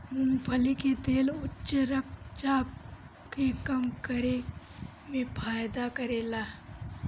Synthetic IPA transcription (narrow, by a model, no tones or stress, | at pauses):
mʊ̃mpʰəliket̪eːlʊtːt͡ʃəɾək̚t͡ʃaːp̚ | kekɐmkəɾe | mẽpʰaːjd̪akɐɾeːlaː